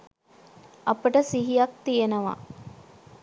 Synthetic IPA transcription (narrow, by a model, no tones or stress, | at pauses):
ɐpəʈəsiɦijɐk̚t̪ijenəʋa̰